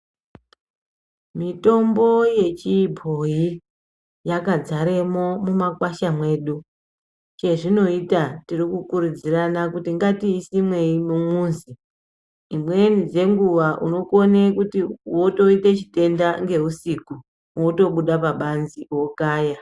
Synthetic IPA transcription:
mito̞mbo̞je̞t͡ʃibʱo̞ji | jakad͡zaɾe̞mo̞mumakwaʃamwe̞ːɗu | t͡ʃe̞ʐino̞itatirikukuɾud͡ziranakutiŋɡatiːsimwe̞imumuːnzi | imwe̞nd͡ze̞ŋɡuʋaʔṵno̞konekutiwo̞to̞itet͡ʃi̥te̞ndaŋɡe̞ɦusiku | woto̞ɓuɗapaɓanziwo̞kaːja

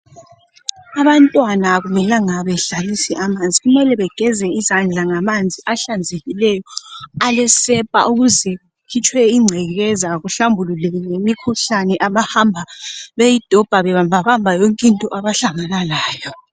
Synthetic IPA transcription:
aβantʼwanaɣumɛlaŋaβɛɬalisiʔamand͡zʱiɣumɛlɛβɛɡ̥ʱɛzɛizand͡ɮʱaŋamand͡zʱiʔaɬand͡zʱeɣilɛjɔalɛsɛpʼa̰ʔuɣuzɛ | kʰit͡ʃʰʼwɛiŋ͡ǀʱɛɣɛzaɣuɬambʱululɛŋemikʰuɬanɛʔaβahambʱaβejid̥ʱɔb̥ʱaβɛβambʱaβambʱajɔŋkʼintʼɔʔaβaɬaŋanalaːjɔ

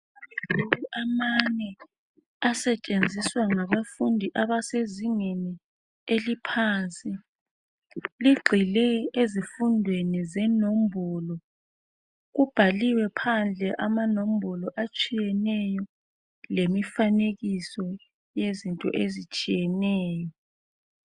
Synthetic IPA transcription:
loɣuʔamanɛ | asɛt͡ʃʼend͡zʱiswaŋaβafundʱiʔaβaseziŋeni | elipʰaːnsʼi | liɡ͡ǃʱilɛezifundʱwenizɛnom̩bʱɔlɔ | ɣub̥ʱaliwɛpʰand͡ɮʱɛʔamanom̩bʱɔlɔʔat͡ʃʼijɛnɛjɔ | lemifaneɣisɔ | jezintʼɔ̰ʔezit͡ʃʼijɛnɛːjɔ

